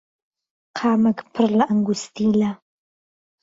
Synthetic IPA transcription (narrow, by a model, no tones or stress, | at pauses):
qʰaːmɐɡpʰɨrlɐʔɐŋɡʷust̪ʰiːlɐ